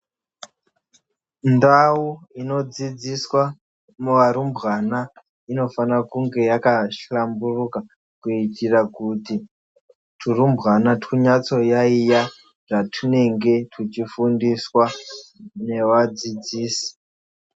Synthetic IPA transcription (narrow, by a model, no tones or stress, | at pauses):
ndawuino̞d͡zid͡ziswa | muʋaɾumbʱɣana | ino̞fanrakuŋɡe̞jakaʃamburuka | kuitʰirakuti | tʰurumbɣanatʰuɲat͡so̞jaija | ʐatʰune̞ŋɡe̞tʰut͡ʃifundiswa | ne̞ʋad͡zid͡ziːsi̥